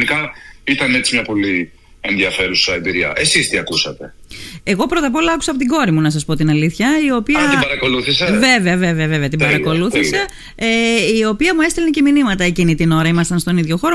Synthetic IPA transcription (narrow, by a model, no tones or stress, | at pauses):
nikɐit̪ɐne̞t͡simɲɐpo̞li | enðiɐfe̞ɾusɐebiɾiɐ̰ʔe̞sist̪iɐkusɐt̪e̞e̞ɣo̞pɾo̞t̪ɐp̬o̞lɐɐku̥sɐpot̪iɡo̞ɾimunɐsɐspo̞t̪inɐliθçɐio̞piɐt̪ibɐɾɐko̞luθisɐve̞veɐveɐveɐvevɐt̪ibɐɾɐko̞luθise̞ | eio̞piɐmue̞st̪elneceminimɐt̪ɐe̞cinit̪ino̞ɾɐimɐst̪ɐnst̪o̞niðʝo̞xoɾo